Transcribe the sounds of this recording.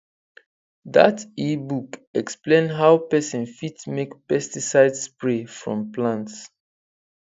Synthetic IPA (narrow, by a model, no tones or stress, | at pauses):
ða̰tibukɛksplẽnɦawpɛsɔ̃nfitmekpɛstisaɪdspɹefɹɔ̰̃mplãnts